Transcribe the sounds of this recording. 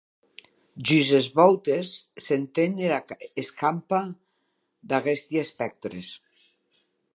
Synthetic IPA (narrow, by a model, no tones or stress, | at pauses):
ʒyzezβɔwt̪esːent̪eneeskampa | d̪aɣest̪jaespɛk̚t̪ɾḛs